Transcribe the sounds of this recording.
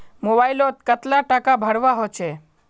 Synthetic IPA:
mobailot̪kət̪laʈakabʱəɽʋaɦot͡ʃʰe

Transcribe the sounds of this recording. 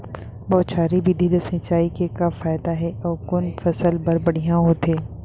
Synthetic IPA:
bɔːt̪t͡ʃaːɾibid̪ʱid̪ɐsɪ̃t͡ʃaːikekafaːɪd̪aɦɛɔːɾkʊnfɐsəlbɐɾbɐɽ̤ijãɦot̪ẽː

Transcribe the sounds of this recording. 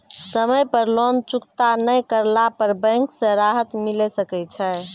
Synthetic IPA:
səməjpəɾlont͡ʃukt̪anəjkəɾlapəɾbɛ̃ŋksə̃ɾaɦət̪milesəkɛt͡ʃʰɛ

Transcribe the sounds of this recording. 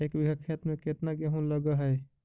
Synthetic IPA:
eːkbɪɡəkʰːet̪mẽket̪naɡeɦũləɡəɦɛː

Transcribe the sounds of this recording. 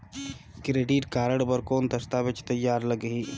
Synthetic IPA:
kɾeːɖiʈkaːɾəɽbəɾkoːnt̪ɐst̪aʋɪt͡ʃt̪ɐjːaːɾləɡɦiː

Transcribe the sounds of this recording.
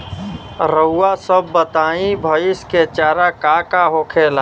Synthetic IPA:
ɾəːasəbːət̪aːĩbʱəɪsket͡ʃaːɾakakaɦoːkʰeːlaː

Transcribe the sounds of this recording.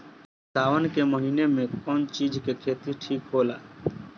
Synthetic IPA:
saːʋənkeməɦiːnemẽkɔːnt͡ʃiːd͡ʒʱkekʰeːt̪iʈʰiːkɦoːla̰ː

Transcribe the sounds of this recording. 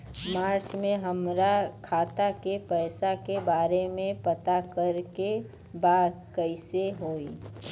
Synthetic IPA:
maːɾt͡ʃmẽɦəmɾakʰaːt̪akepəɪsakebaːɾemẽpət̪akəɾke | baːd̪ | kəɪseɦoːi

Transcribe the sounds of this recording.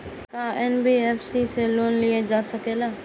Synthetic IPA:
kaːʔɛnbiːɛːfʰsiseloːnlied͡ʒaːsəkeːlaː

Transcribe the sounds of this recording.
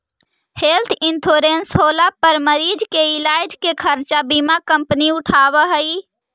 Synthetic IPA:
helt̪ʰint̪ʰoɾensɦolapəɾməɾid͡ʒkeilajd͡ʒkekʰəɾt͡ʃabimakəmpəniuʈʰaβəɦəj

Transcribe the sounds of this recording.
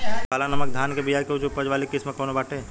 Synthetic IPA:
kaːlanɐmək̚d̪ʱaːnkebijaːɾkeut͡ʃʰupəd͡ʒʋaːlikɪsməkoːnobaːʈe

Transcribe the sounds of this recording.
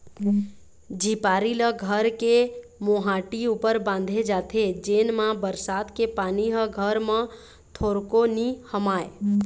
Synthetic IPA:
d͡ʒʱipaːɾiləɡʱəɾkemoɦãːʈiupəɾbãn̆d̪ʱed͡ʒaːt̪ʰed͡ʒeːnmãbəɾsaːd̪kepaːniɦəɡʱəɾmã | t̪ʰoɾkonihəmaːe

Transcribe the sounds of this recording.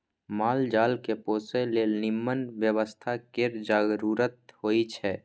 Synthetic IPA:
maːld͡ʒaːlkepoːselenɪmːənʋjəwəst̪ʰakeɾd͡ʒaɡɾuɾət̪̚hoːit͡ʃʰɛː

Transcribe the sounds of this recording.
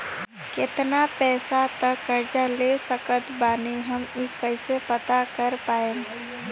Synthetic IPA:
kɪt̪napɛːsat̪əkːəɾd͡ʒalesəkət̪baːniɦəmikəɪsepət̪akəɾpaːeː

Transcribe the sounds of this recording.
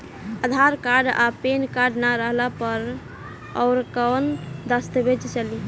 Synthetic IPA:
əd̪ʱaɾkaɾɖapenkaɾɖnaɾəɦlapəɾ | ɔʊɾkənd̪əst̪əbet͡ʃt͡ʃəli

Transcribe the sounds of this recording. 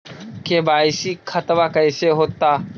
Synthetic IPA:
kebaːɪsiːkʰət̪ʋakəɪseɦoːt̪aː

